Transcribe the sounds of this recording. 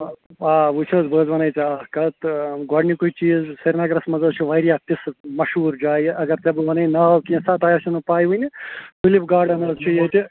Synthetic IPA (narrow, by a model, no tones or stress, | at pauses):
aːʋut͡ʃʰɐːzbəːd͡zʋɐnɐjt̪iaːkɐt̪ɡɔɖnikuit͡ʃiːzsɐɾnaːɡɐɾɐsmɐzɐzt͡ʃʰuʋɐɾjaːt̪ismɐʃɦuːɾd͡ʒaːjʔɐɡɐɾt̪ɐbɨʋɐnɐjnɐɦkĩsɐt̪ɐːjɐsʰunɐpaːjʋɐnʲipʰilipɡaːɖɐnɐzt͡ʃʰujet̪i